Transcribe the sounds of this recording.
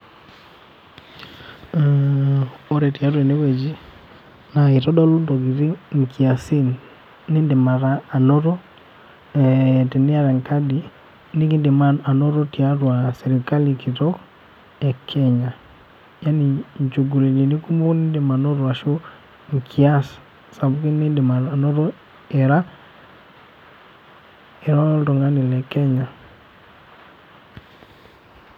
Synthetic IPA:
o˦ɾɛ˨ti˨a˦ɾwɛ˨ne˦wɛ˨d͡ʒi˦ | nai˨ɾɔ˦dɔ˦lo˦ndɔ˨ɡi˨ɾi˦ŋ˨kʰi˨a˨si˦n | ni˦nde˨ma˨ɾaː˨noɾɔ˦ | ɛte˨ni˦a˦ɾɛ˨ŋka˦di˨ | ni˦ki˦nde˨maa˨no˦ɾo˦ti˨a˦ɾwasɛɾika˦likʰitɔ˦ | ɛ˨kʰɛ˦ɲa˨ | ja˦ni˨ɲt͡ʃo˨ɡu˨le˨ni˨ni˦ku˦mo˦ni˦de˨ma˨nɔ˦ɾwa˨ʃo˦ | ŋkʰi˨a˦s | sa˨bu˦ki˦ni˦nde˨ma˨na˨nɔ˦ɾɔ˦ | eɾa˦ | e˨ɾa˦ltɔ˨ŋɡa˦ni˨lɛ˨kɛ˦ɲa˨

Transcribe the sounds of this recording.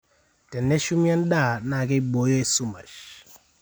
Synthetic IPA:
tɛ˨nːɛ˦ʃu˦mi˦a˦n˦da˦˨na˨ke˦bo˨˦jo˦e˨su˦ma̰˨ʃ

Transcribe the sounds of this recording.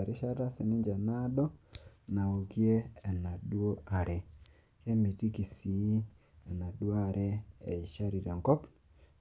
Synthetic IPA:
a˨ɾi˦ʃa˦ta˦si˨nɪ˦ɲd͡ʒa˨na˦dɔ˦na˨o˨kjeː˦˨na˨dwo˦ʔa˨ɾe˨ | ke˦mi˨ti˦ki˨si˨˦ | e˨na˨dwo˦a˨ɾʔeː˦˨i˨ʃa˦ɾi˨ɾe˨ŋɡɔ˦p

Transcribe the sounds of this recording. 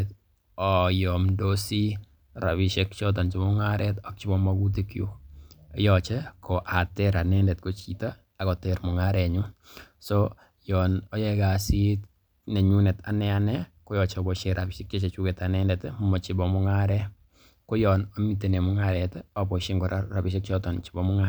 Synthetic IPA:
t | ɔ˨jɔ˨mdo˦si˦ | ɾa̰˨βɪʃe˦kt͡ʃɔ˦t̬a˨nt͡ʃi˨mɔ˦ŋa˦ɾʔɛtɔ˨k̚t͡ʃi˦bɔ˦ma˦ɡu˦t̬e˦kju˦jɔt͡ʃe˦kʰo˨ʔa˨tɛ˦ɾa˨nɛ˦ndɛ˨tko˦t͡ʃi˨ta˦ | a˨kɔ˨te˨ɾmʊ˨ŋa˦ɾɛɲu˦sɔ˦ | jɔnɔ˦jɛ˦ɡa˨si˦t | ne˨ɲu˦nɛ˨ta̰˨nɛ˦anɛ˦ko˦jɔ˨t͡ʃe˨bo˨ʃe˨ɾʔa˨bi˨ʃe˦k̚t͡ʃe˦t͡ʃe˨t͡ʃu˦ke˨ta˨nɛ˦ndɛtmumɔ˨t͡ʃɪ˨bɔ˨mɔ˦ŋa˦ɾɛ˦ | ko˦jɔ˨no˦mi˦t̬e˨ne˨mu˦ŋaɾɛtɔ˨bo˨ʃi˦ŋɡɔ˨ɾara˨biʃe˦k̚t͡ʃɔ˦tɔ˨nt͡ʃi̥˨bɔ˦mʊ˦ŋa

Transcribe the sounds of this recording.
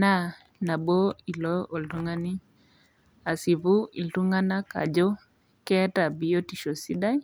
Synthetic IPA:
na˦ | na˨bo˦i˨lɔ˦o˨ltu˦ŋa˦ni˦ | a˨si˨vu˦ḭ˨ltu˦ŋa˦na˦ka̰˨d͡ʒɔ˦ | kɛ˦a˦ta˨bi˨jo˦ti˨ʃo˨si˦da˦j

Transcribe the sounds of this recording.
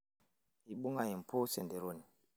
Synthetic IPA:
ji˨ɓu˦ŋa˦˨ji˨m̩˨pʰo˦sɛ˨nde˨ɾo˦˨ni˨

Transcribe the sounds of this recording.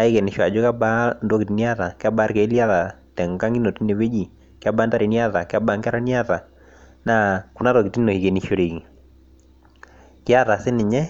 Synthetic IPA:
a˦i˦ke˨nɪ˨ʃɔ˨a˨d͡ʒɔ˦ka˦ba˦ndwo˦kɪ˨ti˨ni˦a˦ða˨kɪ˦a˦ba˦ɾke˨˦li˦a˦ða˨tɛ˨ŋ˨ka˦ŋi˦no˨ti˦ne˨we˦d͡ʒi˨ | kɪ˦a˦ba˦nda˦ɾi˨nja˦ða˨kɪ˦a˦ba˨ŋɡa˦ɾa˦ni˦a˦ða˨ | na˦ku˨na˦ɾɔ˨kɪ˨ti˦no˨hi˨ke˨ni˨ʃo˨ɾe˨ki˨ | kɪ˦a˦ða˨sɪ˦nɪ˨ɲɛ˦

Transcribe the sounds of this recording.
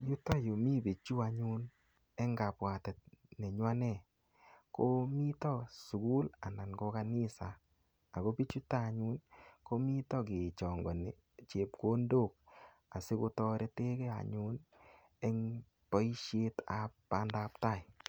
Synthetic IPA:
ju˦tɔ˦jo˨mi˦bi˨t͡ʃu˦a˧ɲu˦n | ɛ˦ŋɡa˨pwa˨tɛ˨t̚ne˨ɲwa˦nɛ˦˨ | ko˦mi˦tɔ˦su˨ɡu˦la˨na˨nɡo˧ka˧nɪ˦saː˨ | ko˦pi˦t͡ʃu˦ta˦˨ɲu˦nko˦mi˦tɔ˦ɡe˨t͡ʃɔ˨ŋɡɔ˨ne˨ | t͡ʃe˨p̚ko˦ndo˦˨k̚ | a˨se˦ko˧tɔ˧ɾʔe˦te˦kɛ˦a̰˨ɲu˦n | ɛ˦ŋ | pɔ˦i˦ʃje˦ta˨pːa˦nda˧˦pta˦˨j

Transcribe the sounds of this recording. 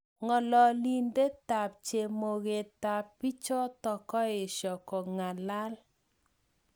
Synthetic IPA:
ŋɔ˨lɔ˨li˨nde˦ta˨p̚t͡ʃe˨mo˨ɣe˨ta˨pːi˦t͡ʃɔ˦tɔ˨kɔ˦ɪ˨ʃɔ˨kɔ˨ŋa˨la˦l

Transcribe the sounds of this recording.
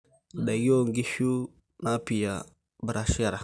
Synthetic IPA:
da˨ɡo˦˨ŋɡi˦ʃu˦ | na˦pi˨ja˨ | bə˨ɾa˦˨ʃi˦a˦ɾa˨

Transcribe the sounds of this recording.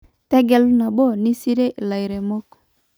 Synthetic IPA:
tɛ˦ɡɛ˨lu˦na˨bɔ˦˨ni˦si˦ɾe˦ʔla˨i˨ɾe˨mɔ˦kɔ̥˨

